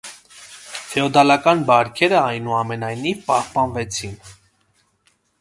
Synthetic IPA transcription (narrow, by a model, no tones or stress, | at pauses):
fɛɔd̪ɑlɑkɑnbɑɾkʰɛɾəɑjnuɑmɛnɑjnivpɑhpɑnvɛt͡sʰin